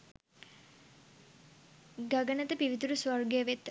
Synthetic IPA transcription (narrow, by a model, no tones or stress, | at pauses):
ɡɐɡənət̪əpiʋit̪uɾusʋɐrɡəjəʋet̪